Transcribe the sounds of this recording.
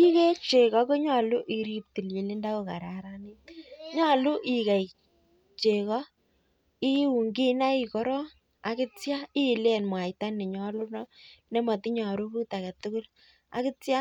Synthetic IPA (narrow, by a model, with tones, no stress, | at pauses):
i˦ke˦t͡ʃe˨kɔ˨˦ko˦ɲɔ˨lu˦ʔi˨ɾi˦p̚ti˨lji˨li˦nda˦ko˨ka̰˨ɾa˨ɾa˨ni˦tɲɔ˦lu˦ʔi˨ka˨j | t͡ʃe˨kɔ˦ | i˦u˨ŋɡi˦na˦i˨kɔ˦ɾɔ˦ | a˨kɪ˦tja˦i˦˨lɛ˦˨nmwa˨jta˦nɪ˨ɲɔ˨lʊ˦nɔ˦ne˦mɔ˨ti˦ɲɔ˨ɾu˦ku˦ta˨kɛ˨tʊ˦kʊ˦l | a̰˦kɪ˦tja˦